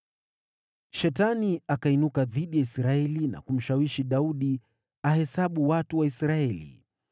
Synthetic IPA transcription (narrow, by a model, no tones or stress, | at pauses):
ʃɛtaniakainukaðiɗijaisɾaɛlina̰kum̩ʃawiʃiɗauɗi | ahɛsaɓuwatuwaisɾaɛlḭ